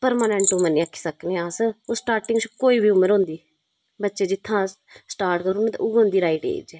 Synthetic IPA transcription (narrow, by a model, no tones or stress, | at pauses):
pəɾmaːnɛ̃ɳʈʊməɾnĩːəkʰːi̥ːsəkneːaːsosʈaːɾʈɪŋɡt͡ʃkoːiːbiːʊmːəɾɦõːnd̪iː | bətːʃeːd͡ʒɪt̪ʰːãː | sʈaːɾʈkəɾunẽt̪a̰ʔʊɡõːnd̪iːɾaːiʈḛːd͡ʒɛː